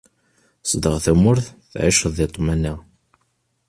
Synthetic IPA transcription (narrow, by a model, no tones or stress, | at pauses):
sˤd̪əʁθæmʊɾθθʕiʃəðˤit̪ˤːmæna